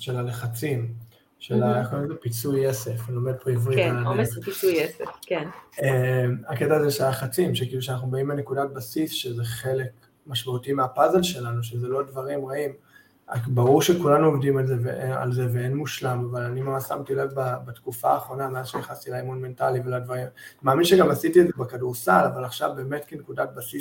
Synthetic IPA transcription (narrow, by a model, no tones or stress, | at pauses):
ʃelaleχat͡sim | ʃelaaχkozepit͡sueseflomed̪̚pʁivʁialadeiuesefkenemaketaːzeʃelaleχat͡simʃekiluʃeanaχnubaimbene̞kudat̚basisʃezeχe̞le̞k | maʃmautimeapazelʃe̞lanuʃ̬ezelo̞dvaʁimʁaim | a̰baʁuʁʃekulanuovdimalzevḛʔea̰lze̞veenmuʃlamavalanimasa̰mtilavbabatkufaːχʁo̞nameazʃejaχast̪ilaimonme̞ntaliveladvaʁimmaːminʃeɡamasitiedzebekaduʁsalavalaχʃa̰vbeːmetkenekudat̚basis